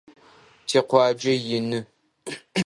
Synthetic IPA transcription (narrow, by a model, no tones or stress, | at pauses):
tʰeːqʷɑːd͡ʒɐjɪnɨ